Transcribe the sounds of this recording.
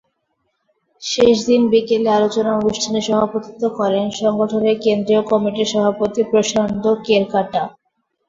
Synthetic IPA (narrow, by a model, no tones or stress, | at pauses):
ʃeʃd̪inbikelealot͡ɕonaonuʃʈʰaneʃɔbʱapot̪it̪okɔɾenʃɔŋɡoʈʰonekend̪ɾiokɔmiʈiʃɔbʱapot̪ipɾoʃand̪ʱokeɾkaʈa